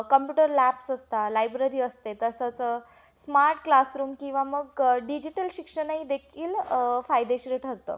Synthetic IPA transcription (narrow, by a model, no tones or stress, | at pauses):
kəmpjuːʈəɾlæpsəst̪alajbɾəɾiːəst̪et̪əsət͡s | smaɾʈklasɾuːmkĩw̃ʋaməɡɖid͡ʑiʈəlɕikʂənaɦid̪ekʰiːlfajd̪eɕɾeʈʰəɾt̪ə̰